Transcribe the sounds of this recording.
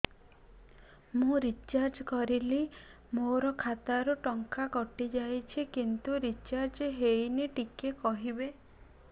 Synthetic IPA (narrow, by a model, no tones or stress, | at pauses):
mũɾit͡ʃaɾd͡ʒɔkɔɾili | moɾɔkʰat̪aɾuʈɔŋkakɔʈid͡ʒajt͡ʃʰikint̪uɾit͡ʃaɾd͡ʒɦejneʈikekɔɦibe